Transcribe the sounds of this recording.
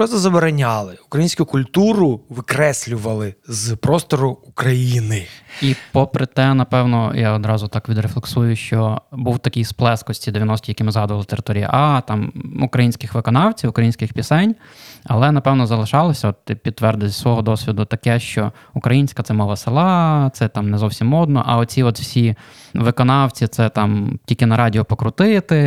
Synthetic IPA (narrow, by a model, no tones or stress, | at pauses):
pɾɔt̪ɐzɐbeɾɐnʲɑlˠɪʊukɾɐjinsʲkʊkʊlʲt̪uɾʊʋɪkɾɛsʲlʲʊʋɐlˠɪzpɾɔst̪ɔɾʊʊkɾɐjinɪipɔpɾɪt̪ɛnɐpɛwnɔjaɔd̪ɾɑzʊt̪ɑkʋʲid̪ɾeflˠeksujʊʃt͡ʃɔbuwt̪ɐkɪjsplˠɛskɔsʲt͡sʲid̪eʋʲjɐnɔsʲt̪ʲijɐkimɪzɦɑd̪ʊʋɐlˠɪt̪eɾɪ̥t̪ɔɾʲijɐ̰ʔɑt̪ɑmukɾɐjinʲsʲkɪxʋɪkɔnɑwt͡sʲiwʊkɾɐjinʲsʲkɪxpʲisɛnʲ | ɐlˠɛnɐpɛwnɔzɐlˠɪʃɑlˠɔsʲɐɔt̪̚t̪ɪpʲid̪ːʋɛrd̪ɪzʲsʋɔɦɔd̪ɔsʲʋʲid̪ʊt̪ɐkɛʃt͡ʃɔ | ʊkɾɐjinʲsʲkɐt̪sɛmɔʋɐsɪlˠɑt̪sɛt̪ɑmnɛzɔwsʲimːɔd̪nɔ̰ʔɐɔt͡sʲiɔt̪wsʲi | ʋɪkɔnɑwt͡sʲit̪sɛt̪ɑmtʲilʲkɪnɐɾɑdʲiɔpɔkɾʊt̪ɪt̪ɪ